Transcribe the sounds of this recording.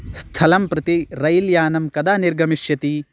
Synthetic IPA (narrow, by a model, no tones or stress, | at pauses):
st̪ʰɐlɐmpɾɐt̪iɾɐjljaːnɐmkɐd̪aːniɾɡɐmiʃjɐt̪i